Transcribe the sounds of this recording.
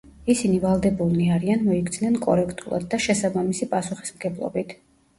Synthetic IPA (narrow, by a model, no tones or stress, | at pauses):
isinivalˠd̪ɛbulˠniaɾianmɔikd̪sʰnɛnkʼɔɾɛkʰt̪ʼulˠa̰d̪ːaʃɛsabamisipʼasuχi̥smɡɛblˠɔ̰bit̪ʰ